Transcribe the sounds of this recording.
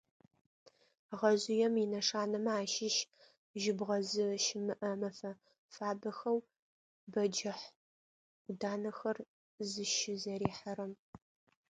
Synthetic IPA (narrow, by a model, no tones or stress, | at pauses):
ʁɐʑɪjɛmɪnɐʂaːnɐmɐaːʃɪʃ | ʒɪbʁɐzɨʃɪmɨʔɐmɐfɐ | faːbɐxɐw | bɐd͡ʒɐħʷ | ʊdaːnɐxɐr | zɨʃɪzɐɾiːħɐɾɐm